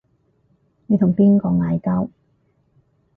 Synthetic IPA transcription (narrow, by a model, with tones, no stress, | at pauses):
ne˨˧t̪ʊ˨˩ŋpiː˥nkɔː˧ŋaː˨˧jkɐ˥w